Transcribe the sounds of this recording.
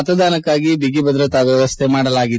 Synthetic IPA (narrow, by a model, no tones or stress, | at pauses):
ɐt̪ɐd̪aːnɐkːaːɡibiɡibɐd̪ɾɐt̪aːʋjɐʋɐst̪ʰemaːɽɐlaːɡi